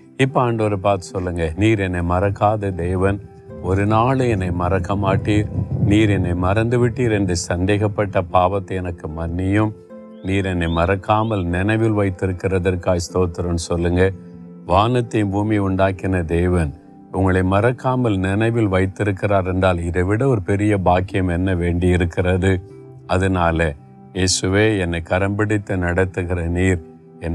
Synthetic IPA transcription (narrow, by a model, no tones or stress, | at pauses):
ɪpːɐaːɳɖoːɾɛpaːɾt̪ɯ̥sɔlːɯŋɡɐniːɾɛnːɐɪmɐɾɐkːaːðɐd̪eːʋɐn | ɔɾɯnaːlɯɛnːɐɪmɐɾɐkːɐmaːʈːiːɾniːɾɛnːɐɪmɐɾɐnd̪ɯʋɪʈːiːɾɛndrɯsɐnd̪eːɣɐpːɐʈːɐpaːʋɐt̪ːɐɪɛnɐkːɯmɐnːɪjɯm | niːɾɛnːɐɪmɐɾɐkːaːmɐlnɪnɐɪʋɪlʋɐɪt̪ːɪɾɯkːɪrɐðɐrkaːjst̪oːt̪ːɪɾɐnsɔlːɯŋɡɐ | ʋaːnɐt̪ːɐjmbuːmiʊɳɖaːkɪnɐd̪eːʋɐn | ʊŋɡɐɭɐɪmɐɾɐkːaːmɐlnɪnɐʋɪlʋɐɪt̪ːɪɾɯkːɪraːɾɛndraːlɪðɐʋɪɽɐɔɾɯpɛɾɪjɐbaːkɪjɐmɛnːɐʋeːɳɖɪɪɾɯkːɪrɐðɯ | ʔɐðɐnaːlɐ | jeːsɯʋeːɛnːɐɪkɐɾɐmbɪɽɪt̪ːɐnɐɽɐt̪ːɯɣɪrɐniːɾ | ɛnː